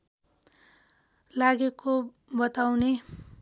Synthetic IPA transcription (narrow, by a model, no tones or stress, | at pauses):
laɡeko | bʌt̪awne